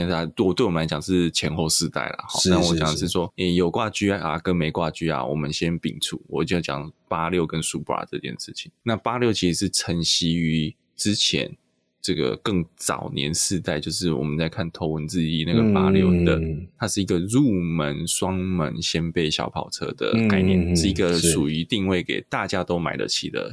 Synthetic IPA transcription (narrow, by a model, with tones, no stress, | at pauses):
a˥˩t̪wɔ˨˩t̪we˥˩ɪwmə˧la˧˥t͡ɕɑ˨˩ŋʂɻ̩˥˩t͡ɕʰjɛ˧˥nxo˥˧ʊsɹ̩˥˧t̪a̰˥˩ɪlə̰˩xɑ̰˥˦na˥˩n˨wɔ˧˦t͡ɕjɑ˨˩˨ŋdə˨˦ʂ̬ɻ̩˥˩swɔ˥e˥˩jo˨˩ʊkwa˥˧t͡ɕy˥˨˩ʔa̰˨˩kə˦nme˧˥ɪkwa˥˨t͡ɕy˥a̰˨˩wɔ̰˨˩mə˦nɕjɛ˦npḭ˨˩ŋt͡sʰṵ˥˩wɔ˨˩˨t̪i˥˧jt͡ɕjɑ̰˨˩ŋpa˥ljo˥˩ʊkə˦nsu˥˩pa̰˨˩ʈ͡ʂɤ̰˥˧t͡ɕjɛ̰˥˩nʂɻ̩˥˩t͡ɕʰi̥˨˩ŋna˥˨pa˥ljo˥˧ʊt͡ɕʰi˧˥ʂɻ̩˧˥ʂɻ̩˥˩t͡sʰə˧˥ŋɕi˥y˧˥˦ | ʈ͡ʂɻ̩˥t͡ɕʰjɛ̰˧˦n | ʈ͡ʂɤ˥˩ɡə̰˩kɤ˥˩ŋt͡sɑ̰˨˩ʊnjɛ̰˧˦˥nsɻ̩˥˧t̪a˥ɪt͡ɕjo˥˧ʊʂ̬ɻ̩˥˩wɔ˨˩mə˦nt͡sa˥˧ɪkʰa˥˩nt̪ʰo˧˥ʊwə˧˦nt͡sɹ̩˥˧i˥˧na˥˨˩ɡə˨˩pa˦˥ljo̰˥˧ʊd̪ə˨t̪ʰa˥ʂɻ̩˥˩i˧˥ɡə˧ɻu˥˨˩mə˧˦nswɑ˥ŋmə̰˧˦nɕjɛ˥npe˥˩ɪɕjɑ̰˧˥ʊpʰɑ˨˩ʊt͡sʰɤ̰˥d̪ə̰˩ka˥˧ɪnjɛ˥˨nʂɻ̩˥˩i˧˥ɡə˧ʂu˨˩y˧˥t̪i˥˧ŋwe˥˩ɪkḛ˨˩ɪt̪a˥˨t͡ɕja˥t̪o˥ʊma̰˨˩ɪlə̰˨˦t͡ɕʰḭ˨˩d̪ə̰˧